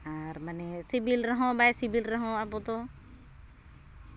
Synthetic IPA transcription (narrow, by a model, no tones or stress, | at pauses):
aɾmanɛsibilɾəɦɔ̃bajsibʱilɾəɦɔ̃apɔt̪ɔ